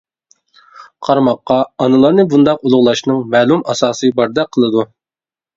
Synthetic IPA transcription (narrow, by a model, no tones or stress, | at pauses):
qʰɑɾmɑqːɑɑnɨlˠɑɾnɨbund̪ɑqulˠʊʁlˠɑʃnɨŋmɛːlˠumɑsɑːsɨbɑɾd̪ɑqʰəlˠɨd̪u